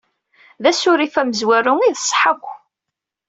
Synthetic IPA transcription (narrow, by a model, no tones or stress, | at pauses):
ðæsʊɾifæməzwæɾʊŋiðsˤħəkʷː